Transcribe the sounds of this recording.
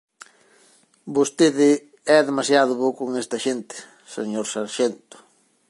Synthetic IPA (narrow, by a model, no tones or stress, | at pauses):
bost̪eðɪ | ɛðemasjaðʊβowkoŋest̪ɐʃent̪ɪ̥ | sḛɲoɾsaɾʃent̪ʊ̥